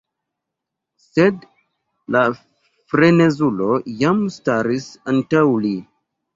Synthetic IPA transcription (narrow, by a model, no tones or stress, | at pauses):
sed | la | fɾene̞zulo̞jamstaɾisantawli